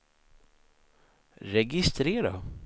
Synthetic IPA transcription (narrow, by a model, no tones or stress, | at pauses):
ɾɛɡɪst̪ɾeːɾa